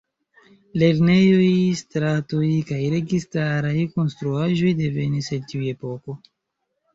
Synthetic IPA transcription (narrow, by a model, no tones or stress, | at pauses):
le̞ɾne̞jo̞jstɾatojkajɾe̞ɡistaɾajko̞nstɾuaʒo̞jde̞ve̞nisetiue̞po̞ko̞